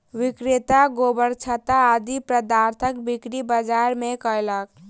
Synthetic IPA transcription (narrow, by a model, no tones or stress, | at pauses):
wikɾet̪aɡobəɾt͡ʃʰət̪aːd̪ipɾəd̪aɾt̪ʰəkbikɾibəd͡ʒaɾmekəjlək